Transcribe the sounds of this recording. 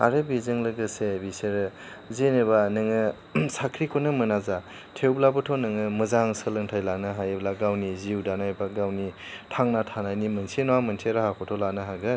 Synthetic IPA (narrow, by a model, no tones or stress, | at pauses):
a̰ɾɯbizɯŋlɯɡɯsebiseɾɯ | zenɯbanɯŋɯ | sakʰɾikʰonɯmɯnaza | tʰewblabɯtʰɔnɯŋɯmɯzaŋsɯlɯŋtʰajlanɯɦajblaɡawniziwdanajbaɡawnitʰaŋnatʰanajnimɯnsʰenoamɐnsʰeɾahakʰɔtʰɔlanɯɦaɡɯ